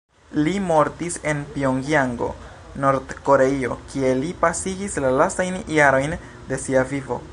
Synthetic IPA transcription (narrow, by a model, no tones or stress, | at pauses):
limo̞ɾtise̞npioŋɡiaŋɡo̞̰ | no̞ɾdko̞ɾe̞io̞kie̞lipasiɡislalastajnjaɾo̞jn | de̞siavivo̞̰